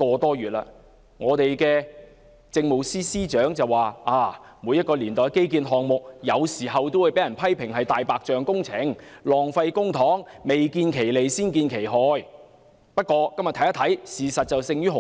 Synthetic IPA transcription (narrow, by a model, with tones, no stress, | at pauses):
kɔː˧t̪ɔː˥ɥyː˨t̚la̰ː˧ | ŋɔː˨˧t̪e˨jkɛː˧ | t͡sɪ˧ŋmo˨˩wsiː˥siː˥t͡ʃœː˨˥ŋt͡sɐ˨wːaː˨aː˧˩muː˨˧jɐ˥t̚kɔː˧liː˨˩nt̪ɔː˨˧jke˥jk̬iː˧nɦɔː˨ŋmʊ˨k̚jɐ˨˧wsiː˨˩ɦɐ˨wt̪o˥wu˨˩jpe˨˥jɐ˨˩npʰɐ˥jpʰɪ˨˩ŋɦɐ˨jt̪aː˨jpaː˨k̚t͡ʃœː˨ŋkʊ˥ŋt͡sʰɪ˨˥ŋlɔː˨˩ŋfɐ˧jkʊ˥ŋt̪ʰɔː˨˥ŋme˨jkiː˧nkʰe˨˩jle˨˩jsiː˥nkiː˧nkʰe˨˩jɦɔː˧j | pɐ˥t̚kɔː˧kɐ˥mjɐ˨t̪ʰɐ˨˥jɐ˥t̪ʰɐ˨˥jsiː˨sɐ˨t̚t͡sɐ˨wsɪ˧ŋjyː˥ɦʊ˨